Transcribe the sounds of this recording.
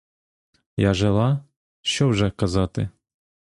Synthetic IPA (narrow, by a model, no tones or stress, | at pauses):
jaʐɛlˠa | ʃɔwʐɛkazat̪ɨ̰